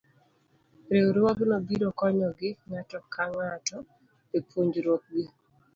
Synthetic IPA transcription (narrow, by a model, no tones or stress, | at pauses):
ɾewɾwɔɡɪnobiɾokɔɲɔɡɪŋatɔkaŋatɔ | epwoɲd͡ʒɾwok̚ɡɪ